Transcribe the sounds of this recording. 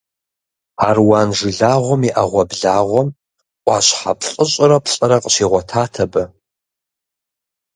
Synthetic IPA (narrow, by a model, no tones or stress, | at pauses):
aːrwaːnʐɨɮaːʁʷɔmiʔɐʁʷɔbɮaːʁʷɔm | ʔʷʼɑɕħapʰɬʼəɕʼɪɾɐpʰɕʼɐɾɐqʼɕiːʁʷɔtʰaːtʰɐbɐ